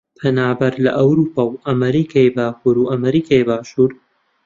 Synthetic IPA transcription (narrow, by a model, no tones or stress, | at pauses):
pʰɐnaːbɐɾlɐ̰ʔɐwɾuːpʰawʔɐmɐɾiːkʰajbaːxuɾuʔɐmɐɾiːkʰajbaːʃuːɾ